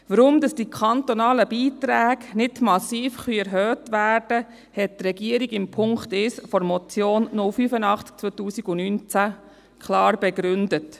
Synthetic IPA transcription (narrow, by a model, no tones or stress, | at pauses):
ʋəɾʊmdɑsd̥ikʰχɑnt̪ɔnɑːləbiːt̪ɾæːɡnɪdmɑsiːfχyɛɾɦœːtʋæːrd̥ə | hɛt̚tɾɛɡiəɾiɡɪmpʰʊŋkt̪ɪsfɔɾmɔt͡sjoːnːʊlfyfənɑχtk̚t͡sʋɔt̪uːsiɡʊnyːnt͡sæ | kʰχlɑːɾb̥ɛɡɾʏndət